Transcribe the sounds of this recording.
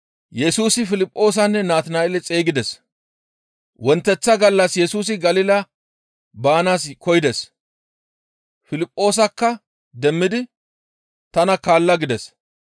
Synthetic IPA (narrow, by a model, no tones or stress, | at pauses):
jɛsuːsɪfɪlɪpʼːo̞ːs̬ɐnːɛnaːt̪ɪnaɛlɛt͡sʼe̞ːɡɪd̪ɛs | wɔnt̪ːɛt͡sːɐɡɐlːɐsjɛsuːs̬ɪɡɐlɪlɐ | baːnaːskɔjɪd̪ɛs | fɪlɪpʼːo̞ːs̬ɐkːɐ | d̪ɛmːɪd̪ɪ | t̪ɐnɐkaːlːɐɡɪd̪ɛs